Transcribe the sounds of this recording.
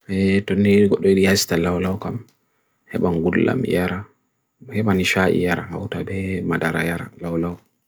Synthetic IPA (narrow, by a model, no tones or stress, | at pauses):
ɛtɔnːeiɡɔɗːɔiɗijasi̥talawlawkam | hɛ̰ɓaŋɡulːa̰mjaɾa | hɛɓaniʃaʔḭjaɾahawtabɛmadaɾajaɾa̰lawlaw